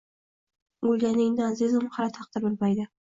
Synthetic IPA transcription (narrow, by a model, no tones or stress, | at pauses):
ʊlʲɡʲanɪŋd̪azɪzɪmχɑɾat̪ʰɑq̚t̪ɪɾbɪlmajd̪ɪ